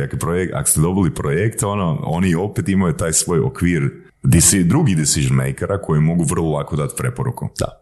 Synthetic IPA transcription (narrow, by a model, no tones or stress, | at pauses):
akepɾojeka̰ko̥st̪ed̪o̞bilipɾojekt̪o̞noo̞̰nio̞pet̪imajut̪aːjsʋo̞ːjo̰kʋiːɾ | d̪isid̪ɾuɡid̪isiʒonmḛjkeɾʔako̞jemo̞ɡuʋr̩lˠolˠakod̪at̪pɾe̞poɾukud̪a̰